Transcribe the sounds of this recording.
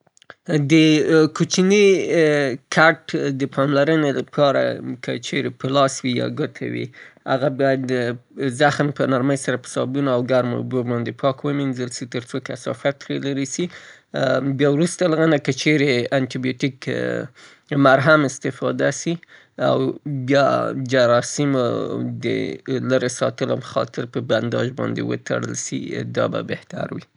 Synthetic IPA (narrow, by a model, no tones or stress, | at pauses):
d̪əkut͡ʃini | kʰaʈd̪əpʰɑmlaɾənelapʰɑɾa̰kʰət͡ʃeɾepəlɑswijɑ̰ɡət̪ʰa̰wḭha̰ɣabɑjad̪ːəzaxnpənaɾməjsaɾapə̥sɑ̰bunoawɡaɾmo̰bobɑnd̪epʰɑkwəminzəlsit̪əɾt͡sokasɑ̰fat̪ɾelaɾisi | bjɑwɾust̪alɣanakət͡ʃeɾeanʈibijoʈik | maɾɦamɪst̪ɪfɑd̪asi | a̰wbjɑd͡ʒaɾɑsɪmod̪ə̰ləɾesɑt̪əlo̰məxɑ̰t̪ɪɾpəband̪ɑʒbɑ̰nd̪ḛwə̰t̪a̰ɽə̰lsḭd̪ɑ̰ba̰beht̪a̰ɾwḭ